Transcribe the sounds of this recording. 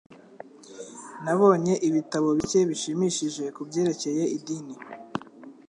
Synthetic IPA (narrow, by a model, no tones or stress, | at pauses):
naβo̞ːɲe̞ʔiβitaβo̞βice̞βiʃimiʃiʒe̞kubɟe̞ːɾe̞ce̞je̞idini